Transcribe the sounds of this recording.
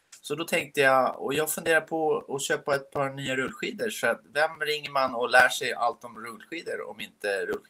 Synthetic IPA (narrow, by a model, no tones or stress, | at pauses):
sɔd̪ɔt̪ʰɛŋk̚t̪əjaɔ̰jɑːɡfɵnd̪eːɾapʰɔɔɕøːpaɛt̪̚pʰɑːɾnyːaɾɵlːɧiːd̪əɾfœɾat̪vɛmɾɪŋːəɾmanɔlæːʂɛja̰lt̪ɔmɾɵlːɧiːd̪əɾɔ̰mɪnt̪əɾɵlː